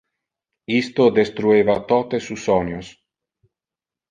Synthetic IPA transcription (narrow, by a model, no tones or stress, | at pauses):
ist̪od̪est̪ɾuevat̪ot̪esusːɔɲos